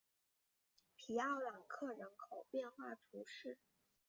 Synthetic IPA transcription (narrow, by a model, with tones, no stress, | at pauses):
pʰi˨˩a˥˩la˨˩nkʰɤ˥˩ɻə˧˥nkʰo˨˩ʊpjɛ˥˧nxwa˥˩t̪ʰu˧˥ʂɻ̩˥˩